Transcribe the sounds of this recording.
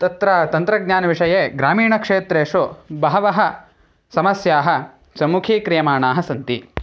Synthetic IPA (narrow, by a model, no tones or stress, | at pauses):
t̪ɐt̪ɾɐt̪ɐnt̪ɾɐɡ̚ɲaːnɐʋiʂɐjeːɡɾaːmiːɳɐkʂeːt̪ɾeːʂobɐɦɐʋɐɦɐ | sɐmɐsjaːɦɐ̆ | sɐmukʰiːkɾijɐmaːɳaːɦɐsɐnt̪ḭ